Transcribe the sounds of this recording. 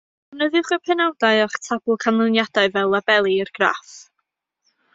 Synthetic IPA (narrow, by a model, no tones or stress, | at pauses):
nəðɪwχəpʰɛnawdaɨɔχtʰabʊlˠkʰanlˠənjad̥aɨvɛlˠːabɛlˠiərɡ̥ra̰f